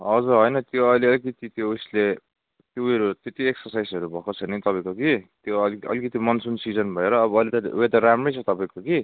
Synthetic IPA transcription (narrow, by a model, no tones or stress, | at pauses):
ʌd͡zuɦojnʌt̪joʌleʌlikʌt̪it̪jousle | t̪jouɾut̪jet̪ieksʌrsajsʌɾubʱʌkot͡sʰʌnit̪ʌpaĩkokit̪joʌlʌ̰likʌt̪imʌnsunsid͡zʌnbʱʌeɾʌːbʌːlit̪ʌuet̪ʌɾamrʌjt͡sʰʌt̪ʌpaĩkoki